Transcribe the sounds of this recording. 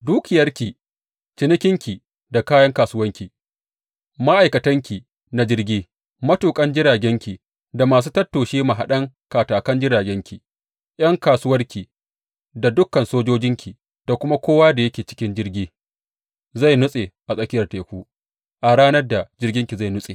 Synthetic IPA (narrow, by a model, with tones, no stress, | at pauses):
duː˦kʲɪ˨jɐ˦rkʲi˨ | t͡ʃɪ˨nɪ˦kʲɪ˦ŋkʲi˨ | da˨kaː˦jɐ˦ŋkaː˨sʊ˦wɐ˦ŋkʲi˨ | ma˦ʔa˨jkɐ˨tɐ˦ŋkʲi˨ | na˨d͡ʒɪ˦rɡʲiː˦ | mɐ˦tuː˨kʼɐ˦nd͡ʒɪ˦ɾaː˨ɡʲɛ˦ŋkʲi˨ | da˨maː˨s̬uː˦tɐ˦tːoː˨ʃiː˦ma˨ɦa˨ɗɐ˦ŋ | kaː˨taː˨kɐ˦nd͡ʒɪ˦ɾaː˨ɡʲɛ˦ŋkʲʰi˨ | j̰ɐ˦ŋkaː˨sʊ˦wɐ˦rkʲʰi˨ | da˨dʊ˦kːɐ˨nsoː˦d͡ʒoː˦d͡ʒɪ˦ŋkʲʰi˨ | d̥a˨kʷʊ˦ma˦kʷoː˦waː˦da˨jɐ˦kʲeː˨t͡ʃɪ̥˦kʲɪ˦nd͡ʒɪ˦rɡʲiː˦ | za˦˨jnʊ˦sʼe˨ʔa˨sʼɐ˦kʲɪ˦jɐ˨rta˨kʷuː˦ | ʔa˨ɽaː˦nɐ˦rda˨d͡ʒɪ˦rɡʲɪ˦ŋkʲi˨za˦˨jnʊ˦sʼeː˨